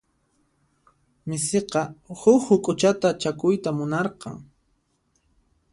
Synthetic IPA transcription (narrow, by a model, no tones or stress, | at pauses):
mɪseqɑhʊkhʊkʼʊt͡ʃat̪at͡ʃakʊjt̪amʊnɑɾqɑ̰ŋ